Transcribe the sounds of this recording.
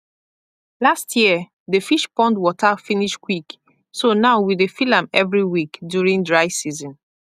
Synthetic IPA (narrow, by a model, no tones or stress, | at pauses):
lastʰjiə | defiʃpɔ̃ndwɔtʰafiniʃkwik | sonaʊwidefilãmɛvɹiwikdjuɹĩŋdɹaɪsizɔ̃n